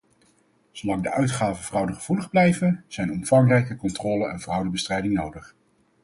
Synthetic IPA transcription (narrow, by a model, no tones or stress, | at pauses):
z̥owlɑŋdəʔœɥtχaːvəv̥rɑwdəχəv̥uləχblɛjvənz̥ɛjnɔmfɑŋrɛjkəkɔntrɔːlənɛ̰nvrʌwdəbəstrɛjdɪŋnowdəχ